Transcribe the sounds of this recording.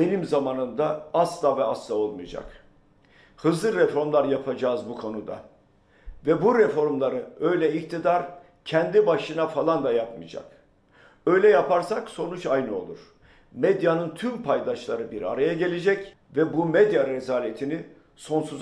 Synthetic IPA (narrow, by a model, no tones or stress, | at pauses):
be̞nimzamaːnɯnd̪aaslavɛaslˠao̞lˠmɯ̰jd͡ʒa̰k | hɯzlˠɯɾɛfo̞ɾmlˠaɾjapʰad͡ʒaːzbukʰo̞nud̪a̰ | vɛbuɾɛfo̞ɾmlˠaɾɯø̞jlʲɛik̚t̪ʰid̪aɾ | cʰɛnd̪ibaʃɯnafalˠand̪ajapmɯ̰jd͡ʒa̰k | ø̞jlʲɛjapaɾsakso̞nut͡ʃajnɯo̞̰lˠuɾ̥ | med̪janɯnt̪ʰympʰajd̪aʃlˠaɾɯbiɾa̰ɾajaɟe̞lʲe̞d͡ʒɛc | vɛbumed̪jaɾezaːlʲe̞t̪ʰini | so̞nsuz